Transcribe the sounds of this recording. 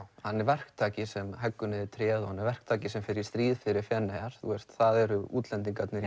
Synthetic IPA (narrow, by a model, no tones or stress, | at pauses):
hanːɛɾvɛr̥kt̪ʰaːcɪsɛmɦɛkːʏnɪðɪt̪ʰɾjɛːðɔhanːɛɾvɛr̥kt̪ʰaːcɪsɛmfɪɾjɪ̥ɾst̪ɾiːðfɪɾɪɾfɛːnːɛjaɾ̥θuɛst̪θaðɛɾʏuːt̪lɛnt̪iŋk̬at̪nɪɾ